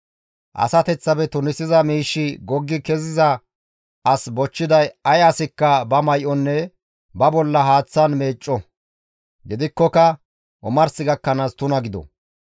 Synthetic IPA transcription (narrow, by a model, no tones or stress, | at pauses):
ʔɐ̰sɐt̪ɛt͡sːɐbɛt̪ʊnɪsɪzɐmiːʃːɪɡɔɡːɪkɛzɪzɐ | ʔɐsbɔt͡ʃːɪd̪ɐjɐjɐsɪkːɐbɐmɐjʔɔnːɛ | bɐbɔlːɐɦaːt͡sːɐnme̞ːt͡ʃʼːɔ | ɡɪd̪ɪkːɔkɐ | ʔʊ̰mɐɾsɪɡɐkːɐnaːst̪ʊnɐɡɪd̪ɔ̰